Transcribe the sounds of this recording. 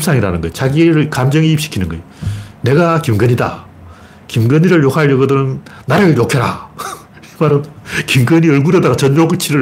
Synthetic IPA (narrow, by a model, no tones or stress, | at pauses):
psʰaŋiɾanɯnɡʌ̰jt͡ɕaɡiɾɯɭkamd͡ʑʌŋiːp̚ɕ͈i̥kʰinɯnɡʌ̰j | ne̞ɡakimɡʌɲida̰ | kimɡɯɲiɾɯɭjokʰaɭjʌɡɯdɯɾɯn | naɾɯɭjokʰeɾa̰ | imaɾɯnkimɡʌɲiʌɭɡudedaɡat͡ɕʌnd͡ʑoɡɯt͡ɕʰiɾɯ